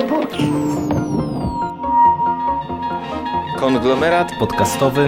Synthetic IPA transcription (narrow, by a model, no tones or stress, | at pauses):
pɔki | kɔŋɡlɔmɛɾat̪pɔt̪kast̪ɔvɘ